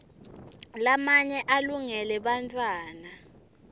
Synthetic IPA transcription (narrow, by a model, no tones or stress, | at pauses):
lamaɲɛʔaluŋɛlɛɓantʰʼwaːna